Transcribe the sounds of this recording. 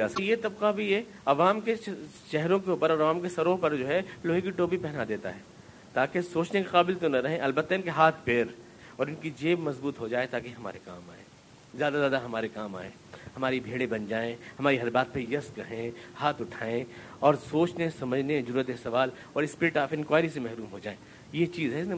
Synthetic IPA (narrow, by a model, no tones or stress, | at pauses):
aːsjet̪ɐbqabʱiɛ | ɐʋaːmkeʃɛɦɾõkeʊːpəɾɔːɾɐʋaːmkesɐɾopɐɾd͡ʒoːɦɛloːɦikiʈoːbipɛɦnad̪eːt̪a̰ɦɛː | t̪aːkesoːt͡ʃnekeqaːbɪlt̪onɐɾɐɦẽʔɐlbət̪ːaɪnkeɦaːt̪ʰpeɾ | ɔːɾɪnkid͡ʒeːbmɐzbuːt̪ɦod͡ʒaːet̪aːkeɦɐma̰ːɾeka̰ːma̰ːḛ̃ː | zjaːd̪azjaːd̪aɦɐmaːɾekaːma̰ːẽːhɐmaːɾibʱeːɽebɐnd͡ʒaːẽhɐmaːɾiɦɐɾbaːt̪̚pejɐsɾɐɦẽhaːt̪ʊʈʰaːẽ | ɔːɾsoːt͡ʃnesɐməd͡ʒʱnezɐɾuːɾət̪̬esɐʋaːl | ɔːɾɪspɪɾɪʈaːfɪ̃nkʋaːɾisemɛɦɾuːmɦod͡ʒaːẽː | jet͡ʃiːzɦɛɪsne